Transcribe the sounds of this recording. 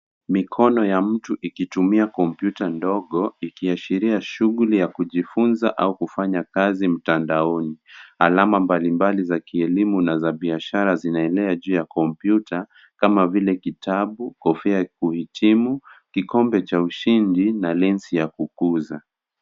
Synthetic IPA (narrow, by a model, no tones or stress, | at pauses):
mikʰɔnɔjam̩tuʔikitumiakɔmpjutandɔɠɔikiaʃiɾiaʃuɣulijakuʄifunzaʔaukufaɲakazim̩tandaɔniha̰lamambalimbalizakiɛlimunazaɓiaʃaɾazinaɛlɛaʄuːjakɔmpjuta | kamavilɛkitʰaɓukɔfiakuhitʰimukikɔmbɛt͡ʃauʃindinalɛnsijakukuza